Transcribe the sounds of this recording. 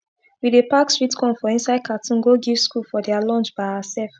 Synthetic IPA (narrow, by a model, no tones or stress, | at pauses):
widepakstɹitkʰɔ̃nfɔĩnsaɪd̚kʰatʰũnɡoɡiv̥skulfɔdɛalɔ̃nt͡ʃbaɪasɛlf